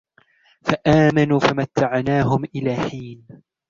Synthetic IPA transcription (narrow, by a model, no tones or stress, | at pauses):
faʔaːmanuːfamat̪ːaʕnaːɦʊmʔɪlaːħiːn